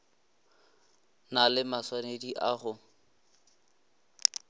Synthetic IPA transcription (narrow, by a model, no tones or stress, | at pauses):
nalɪmaswanediʔaχʊ